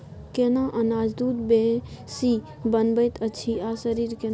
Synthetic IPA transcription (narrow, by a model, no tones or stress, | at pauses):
kenaʔənaːd͡ʒd̪uːd̪bẽsi | bənbəjt̪ʰəːt͡ʃʰiasəɾiɾke